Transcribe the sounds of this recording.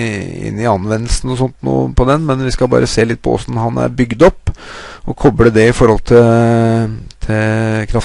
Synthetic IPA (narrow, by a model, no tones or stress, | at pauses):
ɪ̰nːɪɑnʋɛnːəlsn̩ɔsɔnt̪nṵːpʰɔd̪ɛnmɛnʋɪskɑbɑ̰ːɾʔəseːlɪt̪̚ːpʰɔɔ̰sn̩ɦɑnæ̰ɾbʏɡd̪ɔpːɔkʰɔbɽəd̪ɛɪfɔɾhɔlt̪ʰɪl | t̪ʰɪkʰɾɑf